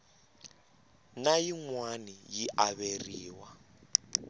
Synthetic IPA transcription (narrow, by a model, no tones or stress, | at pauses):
najiŋwanijiʔaβeriːwa